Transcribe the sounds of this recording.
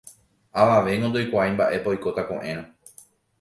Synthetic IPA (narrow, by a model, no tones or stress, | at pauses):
aʋaʋe̞ŋɡond̪ojkʷaajmbaʔe̞paojko̞t̪akõ̰ʔẽɾ̃õ